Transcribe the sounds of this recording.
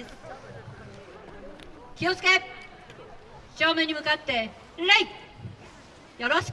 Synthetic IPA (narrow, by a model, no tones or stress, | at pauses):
kʲio̞t͡sɨ̥ke̞ | ɕo̞ːmẽ̞ɲ̟ːimɯ̟kat̪ːe̞ | ɾai | jo̞ɾoɕi̥